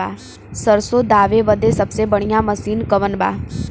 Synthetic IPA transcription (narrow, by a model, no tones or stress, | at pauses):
a̰ː | səɾsod̪aːʋeʋəd̪esəbsebəɽ̃ijãməsiːnkəʋənba̰ː